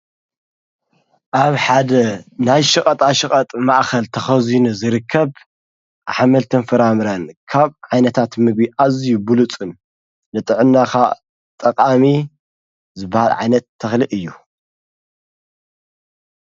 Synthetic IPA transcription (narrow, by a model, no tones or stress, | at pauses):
ʔaβħad̪ɐnajʃɨkʼɐt̪ʼaʃɨkʼɐt̪ʼmaʔxɐlt̪ʰɐxɐzinuzɨɾɨkʰːɐβ | ʔaħamɐlt̪ʰɨnfɐɾamɨɾɐnkʰaβʕajnɐt̪ʰat̪mɨɡ̚biʔazijubulut͡sʼɨnː | ɨt̪ʼɨʕɨnːaxa | t̪ʼɐqʼami | zɨbːahalʕa̰jnɐt̪ʰːɐxlɨʔɨjːu